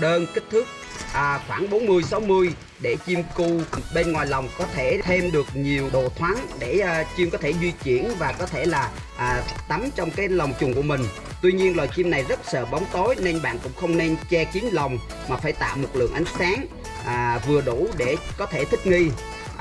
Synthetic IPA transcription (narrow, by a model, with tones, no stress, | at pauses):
ɗəː˧nkï˦˥k̟̚t̪ʰɨ˦˥k̚ | ʔːxwaː˧˩nɓo˨˦nmɨ˧əjsa˨˦wmɨ˧əj | ɗe˧˩t͡ɕi˧mku˧ɓe˧nŋwaː˨˩jla˨˩wŋ͡mkɔ˨˦t̪ʰe˧˩t̪ʰe˧mɗɨ˨˩ək̚ɲi˨˩əwɗo̰˨˩t̪ʰwa˨˦nɗe˧˩t͡ɕi˧mkɔ˨˦t̪ʰe˧˩zwi˧t͡ɕi˧˩ənvaː˨˩kɔ˨˦t̪ʰe˧˩laː˨˩ | ʔːt̪a˨˦mt͡ɕɔ˧wŋ͡mkaː˨˦jla˨˩wŋ͡mt͡ɕʊ˨˩ŋ͡mku˧˩əmï˨˩ŋ̟ | t̪wi˧ɲi˧ənlwaː˨˩jt͡ɕi˧mna˨˩jzə˦˥t̚sə̰ː˧˨ɓa˨˦wŋ͡mt̪o˨˦jne˧nɓa̰ː˧˨nkʊ̰˧˥ŋ͡mxə˧wŋ͡mne˧nt͡ɕɛ˧ki˨˦ənlə˨˩wŋ͡m | maː˨˩faː˧˩jt̪a̰ː˧˨wmʊ˨˩t̚lɨ̰˧˨əŋʔa˨˦jŋ̟saː˨˦ŋ | ʔːvɨ˨˩əɗu˧˩ɗe˧˩kɔ˨˦t̪ʰe˧˩t̪ʰï˦˥k̚ŋi˧